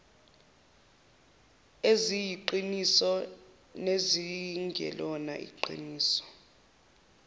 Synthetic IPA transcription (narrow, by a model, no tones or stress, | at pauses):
ezijiǃinisɔ | neziŋɡʱɛ̰lɔna̰ʔḭǃḭniːsɔ̥